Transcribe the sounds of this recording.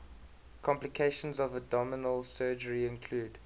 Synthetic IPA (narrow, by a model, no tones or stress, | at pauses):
kʰɔ̃mplikʰeɪʃə̃nzɔvədɔmɪnəlˠsɜːd͡ʒəɹiɪ̃nkʰl̥uːd